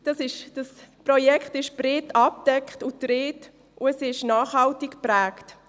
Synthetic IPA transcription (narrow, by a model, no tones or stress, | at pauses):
d̥ɑsɪʃd̥ɑsprɔjɛkχtɪʃb̥ɾɪtɑp̚d̥ɛkχtʊtɾɪːt | ʔʊɛsɪʃnɑːχhɑltɪkpræːkt